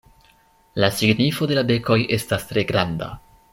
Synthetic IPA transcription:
lasiɡnifo̞de̞labe̞ko̞jʔe̞stastɾe̞ɡɾanda̰

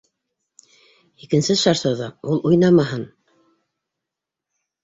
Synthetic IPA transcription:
ikɘ̆nsɘʃɑɾsɑðɑulˠujnɑmɑɦɤn

